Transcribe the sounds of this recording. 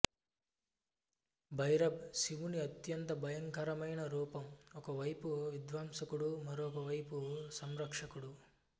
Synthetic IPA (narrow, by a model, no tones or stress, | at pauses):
bʱɐjɾɐbsiʋuniɐt̪jɐnt̪ɐbʱɐjɐŋkɐɾɐmɐjɳɐɾuːpɐmɔkɐʋɐjpuʋid̪ʋaːmsɐkuɽumɐɾukɐʋɐjpusɐmɾɐkʂɐkuɽu